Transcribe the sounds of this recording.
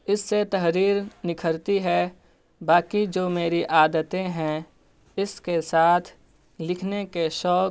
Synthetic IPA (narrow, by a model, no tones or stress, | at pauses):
ɪsːet̪ɐɦɾiːɾnɪkʰəɾt̪iɦɛ | baːkid͡ʒoːmeːɾiʔaːd̪ət̪ẽɦɛ̃ | ɪskesaːt̪ʰ | lɪkʰnekeʃɔːk